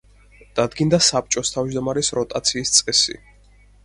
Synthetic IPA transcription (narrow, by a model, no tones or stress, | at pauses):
d̪̥ad̪ɡind̪asap̚t͡ʃʼɔst̪ʰavd͡ʒd̪ɔmaɾɛsɾɔt̪ʼat̪sʰiːst̪sʼqʼɛsḭ